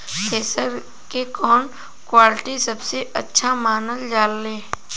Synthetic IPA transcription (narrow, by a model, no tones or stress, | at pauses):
kʰeːsəɾ | kekɔːn | kwaːlʈisɐbseʔɐtːʃʰamaːnəld͡ʒaːlːeː